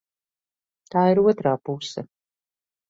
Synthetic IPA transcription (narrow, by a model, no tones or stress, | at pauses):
t̪aːiɾuɔt̪ɾaːpusɐ